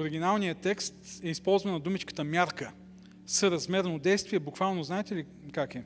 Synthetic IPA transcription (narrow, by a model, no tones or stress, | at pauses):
oɾiɡʲinalˠnijət̪ɛkst̪ɛispɔlˠzvɐnɐd̪umit͡ʃkə̥t̪əmjaɾkə | səɾɐzmɛɾnod̪ɛjst̪viɛbʊkvalˠnoznaɛt̪ɛli | kakɛ